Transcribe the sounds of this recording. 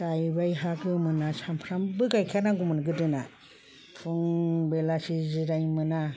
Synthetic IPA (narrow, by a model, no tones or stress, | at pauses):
d̥ajbajɦaɡɯmɯnasampʰɾambɯɡajkʰanaŋɡumɯnɡɯdɯna | pʰuŋbelasiziɾajmɯna